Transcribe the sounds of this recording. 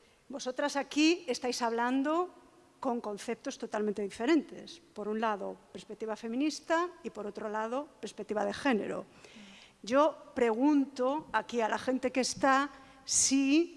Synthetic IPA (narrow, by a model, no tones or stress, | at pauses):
bo̞so̞t̪ɾasakiest̪ajsaβ̞land̪o | ko̞ŋkõ̞n̟θe̞p̚t̪o̞st̪o̞t̪almẽnt̪eðife̞ɾẽ̞nt̪e̞̰spo̞ɾunlaðopeɾspek̚t̪iβafe̞mĩnist̪aipo̞ɾo̞t̪ɾolað̞o̞peɾspek̚t̪iβaðexe̞ne̞̰ɾo̰ | ɟ͡ʝo̞pɾe̞ɣ̞unt̪oakialaxẽ̞nt̪e̞kest̪a | si